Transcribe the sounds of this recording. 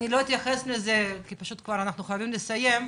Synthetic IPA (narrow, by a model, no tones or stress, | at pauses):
nilo̞it̪jaχeslizekipaʃut̪kvaɾanaχnuχajavimlesaje̞m